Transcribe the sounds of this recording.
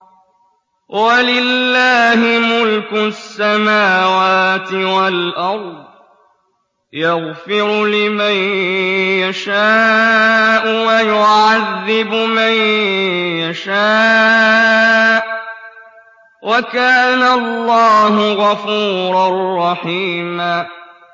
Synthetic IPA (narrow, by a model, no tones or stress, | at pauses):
walɪlːaːhɪmʊlkʊsːamaːwaːt̪ɪwalʔɑɾˤd̪ˤ | jɑɣfɪɾʊlɪman | jaʃaː | ʔʊwajʊʕaðːɪbʊman | jaʃaː | wʔakaːnalːɑːɦʊɣafuːɾˤɑrˤːɑħiːma